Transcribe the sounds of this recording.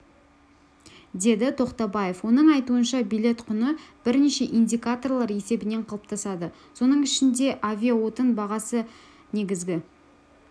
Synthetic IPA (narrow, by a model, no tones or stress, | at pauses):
d̪e̞d̪ɪt̪ʰo̞qt̪ɑbaje̞fwo̞nəɴɑjt̪uənʃɑbijlʲe̞t̪qʰʊnəb̥ɪɾne̞ʃe̞ʔind̪ʲikat̪o̞rlˠɑɾe̞se̞bɪne̞ɴqʰɑlˠəp̚t̪ʰɑsɑd̪ə | so̞nəɴɪʃɪnd̪e̞ʔavʲijawo̞t̪ənbɑʁɑsə | ne̞ɡʲɪzɡʲɪ